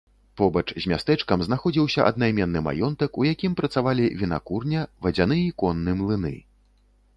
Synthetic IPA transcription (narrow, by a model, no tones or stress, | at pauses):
pɔbɐt͡ʂzʲmʲast̪ɛt͡ʂkɐmznaxɔd͡zʲiwsʲɐʔɐ̰d̪̚najmʲɛnːɨma̰jɔnt̪ɐkujakʲimpɾɐt̪savalʲivʲina̰kurnʲɐvɐd͡zʲanɨikɔnːɨmlˠɨnɨ̰